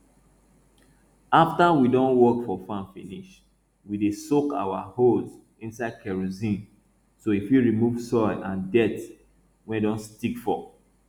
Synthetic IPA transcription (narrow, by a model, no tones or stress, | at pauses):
aftawidõnwɔkfɔfãnfĩniʃ | widesoka̰wahoz | ĩnsaɪd̚kɛɹozĩn | soifjiɹimuv̥sɔɪlʔãndɛt | wɛ̃ndõnstikfɔ